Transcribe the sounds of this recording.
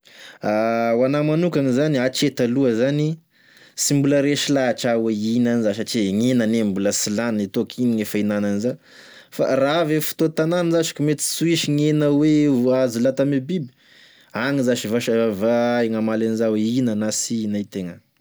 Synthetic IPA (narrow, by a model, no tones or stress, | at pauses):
awanamanukʲaŋizaniat͡ʃet̪aluəzani | simbuləɾeʃilaʈ͡ʂaweinanizaʃ̬aʈ͡ʂiŋenanembuləsilannit̪okʰiniŋefainananiza | fa̰raavefi̥t̪ot̪ananənzaʃi̥kʲumet̪i̥suiʃiŋenəweazilat̪amibibi̥ | aŋizaʃivaʃavaeŋamalanizaweinanasinait̪eŋə